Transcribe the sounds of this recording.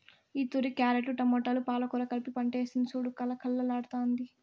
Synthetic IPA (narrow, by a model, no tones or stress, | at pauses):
iːt̪uɾikaːɾeʈuʈɐmːɔʈːɐlupaːlɐkuɾɐkɐlpipɐɳʈeːsinsuːɽukɐlɐkʰɐlːɐlaːɽt̪oːnd̪i